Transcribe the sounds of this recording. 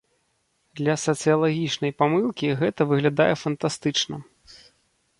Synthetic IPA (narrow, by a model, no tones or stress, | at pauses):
d̪lʲɐsɐt̪sɨjɐlˠaɣʲit͡ʂnɐjpamɨlˠkʲiɣɛt̪ɐvɨɣlʲad̪ajɛfɐnt̪ast̪ɨt͡ʂnɐ